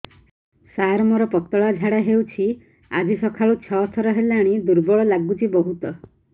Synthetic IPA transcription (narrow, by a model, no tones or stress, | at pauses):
saɾmɔɾɔpɔt̪ɔɭad͡ʒʱaɽaɦewt͡ʃʰi | ad͡ʒisɔkʰaɭut͡ʃʰɔt̪ʰɔɾɔɦelaɽ̃id̪uɾbɔɭɔlaɡut͡ʃibɔɦut̪ɔ